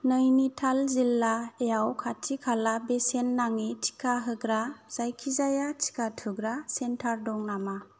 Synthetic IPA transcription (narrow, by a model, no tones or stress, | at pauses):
nɯjnitʰalzilːaejawkʰatʰikʰalabesenːaŋitʰi̥kaɦɯɡɾaz̥ajkʰizajatʰi̥katʰɯɡɾasentʰaɾdɔŋnama